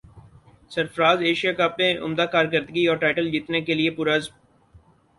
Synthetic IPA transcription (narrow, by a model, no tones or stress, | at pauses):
səɾfɾaːzeːʃijakaːpnẽʔʊ̰md̪aːkaːɾkəɾd̪ɡiɔːɾʈaːɪʈəld͡ʒiːt̪nekelɪepʊːɾəzm